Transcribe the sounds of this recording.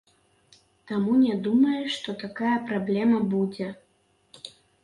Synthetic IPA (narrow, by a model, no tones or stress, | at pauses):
t̪amunʲɛd̪umɐjuʂt̪ɔt̪akajɐpɾablʲɛmɐbud͡zʲɛ